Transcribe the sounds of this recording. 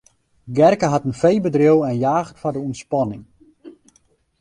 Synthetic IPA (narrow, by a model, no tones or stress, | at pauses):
ɡɛrkəɦatənfejbədrɪwɛnjaːɣətfadəunspɔnɪŋ